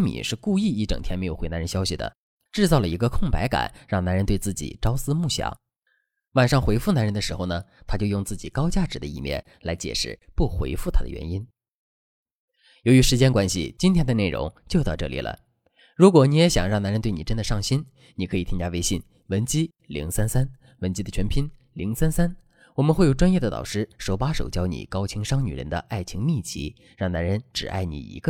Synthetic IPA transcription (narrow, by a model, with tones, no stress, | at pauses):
nmḭ˨˩ʂɻ̩˥˧ku˥˧i˥˧i˥˩ʈ͡ʂɤ˨˩ŋt̪ʰjɛ˥nme˧˥ɪjo˨˩we˥na˧˥ɻə˧˥ɕjɑ˥ʊɕi˨˩d̪ə̰˩ | ʈ͡ʂɻ̩˥˧t͡sɑ˥˩ʊlə˩i˧˥ɡə˧kʰʊ˥˩ŋpa˧˥ɪka̰˨˩˦nɻɑ˥˩ŋna˧˥nɻə˧˥nt̪we˥˧ɪt͡sɹ̩˥˩t͡ɕḭ˨˩ʈ͡ʂɑ˥ʊsɹ̩˥mu˥˩ɕjɑ̰˧˥˦ŋ | wa˨˩nʂɑ˥˩ŋxwe˧˥ɪfu˥˩na˧˥nɻə˧˥nd̪ə˧ʂɻ̩˧˥xo˧ʊnə˩t̪ʰa˥t͡ɕjo˥˧ʊjʊ˥˧ŋt͡sɹ̩˥˩t͡ɕi˨˩kɑ˥ʊt͡ɕja˥˩ʈ͡ʂɻ̩˧˩d̪ə˦i˥˩mjɛ̰˥˩n | la˧˥ɪt͡ɕjɛ̰˨˩ʂɻ̩˥˩pu˥˩xwḛ˧˥ɪfu˥˩t̪ʰa˥d̪ə̰˩ɥɛ̰˧˥ni˥n | jo˧˥ʊɥy˧˥ʂɻ̩˧˥t͡ɕjɛ˥nkwa˥nɕḭ˨˩t͡ɕi˥nt̪ʰjɛ˥nd̪ə˧ne˥˩ɪɻʔʊ̰˧˥ŋt͡ɕjo˧t̪ɑ˥˧ʈ͡ʂɤ˥˩lḭ˨˩lʔə̰˦ | ɻu˧˥kwɔ˨˧˩ni˧˥jɛ˧˥ɕjɑ˨˩ŋɻɑ˥˩ŋna˧˥nɻə˧˥nt̪we˥˩ɪni˨˩ʈ͡ʂə˥nd̪ə˨˩ʂɑ˥˩ŋɕi˥n | ni˨kʰɤ˧˥i˨˩t̪ʰi˥ŋt͡ɕja˥ʋe˥ɪɕi˥˩n | wə˧˥nt͡ɕi˥ | lḭ˧˥ŋsa˥nsa˥n | wə˧˥nt͡ɕi˥d̪ə˨t͡ɕʰɥɛ˧˥npʰi˥n | li˧˥ŋsa˥nsa˥n | wɔ˨˩mə˦nxwe˥˩ɪjo˨˩ʈ͡ʂwa˥njɛ˥˩d̪ə˩t̪ɑ̰˨˩ʊʂɻ̩˥ʂo˧˥ʊpa˥ʂo̰˨˩ʊt͡ɕjɑ˥ʊnḭ˨˩kɑ˥ʊt͡ɕʰi˧˥ŋʂɑ˥ŋny˨˩ɻə̰˧˥nd̪ə̰˧ʔa˥˩ɪt͡ɕʰi˧˥ŋmi˥˩t͡ɕḭ˧˥ | ɻɑ˥˩ŋna˧˥nɻə˧˥nʈ͡ʂɻ̩˨˩ʔa̰˥˩ɪnḭ˨˩ḭ˧˥ɡə˧